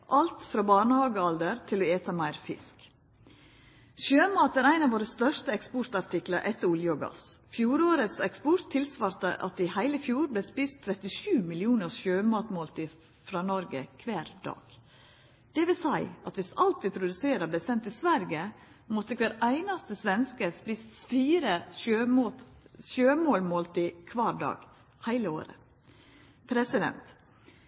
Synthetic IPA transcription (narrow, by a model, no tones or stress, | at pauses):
ʔɑlt̪fɾɑːbɑːɳəhɑːɡəɑld̪əɾt̪ʰɪlɔeːt̪ʰɑmæɪɾfɪ̰sk | ʃøːmɑːt̪æːɾæɪnɑːʋoːɾəst̪œʂt̪əɛkspɔɾt̪ɑɾt̪ɪkləɾʔɛt̪ːəɾʊljəɔɡɑ̰sfjuːɾoːɾət̪sɛkspɔɾt̪ʰːɪlsʋɑːɾt̪ə̰ʔɑt̪ɪhæɪləfjuːɾblespɪst̪ʰːɾɛt̪ɪʃʉːmɪlɪuːnəʃøːmɑːt̪moːlt̪ʰɪ | fɾɑːnɔɾɡə̰kʰʋæːɾd̪ɑ̰ːɡ̥ | d̪̥ɛʋɪlsæɪʔɑt̪ʋɪsɑlt̪̚d̪ɪpʰɾʊd̪ʉseːɾəb̪ɛsɛnt̪ɪsʋæɾɡə | mɔt̪ːəkʰʋæːɾæɪnɑst̪əsʋɛnskəspist̪fiːɾəʃømoʃøːmoːlmoːlt̪iːkʰʋɑːɾɖɑ̰ːɡ̥ | hæɪləo̰ːɾə̰ | pʰɾɛsɪd̪ɛ̰nt̪